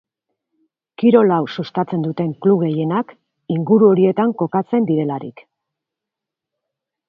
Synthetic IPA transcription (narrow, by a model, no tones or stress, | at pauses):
kiɾo̞lawsust̪at͡se̞nd̪ut̪e̞ŋkluβɣe̞je̞nak | iŋɡuɾuo̞ɾie̞t̪aŋko̞kat͡se̞nd̪iɾe̞laɾḭk